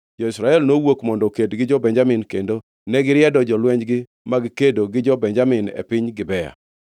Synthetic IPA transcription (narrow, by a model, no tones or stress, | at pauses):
d͡ʒɔɪsɾaɛlnowokmɔndɔkedɡɪd͡ʒɔbɛɲd͡ʒamɪnkendo | nɛɡɪɾjɛdɔd͡ʒɔlwɛɲd͡ʒɡɪ | maɡɪkedoɡɪd͡ʒɔbɛɲd͡ʒamɪnɛ̰pɪɲɡɪbɛja̰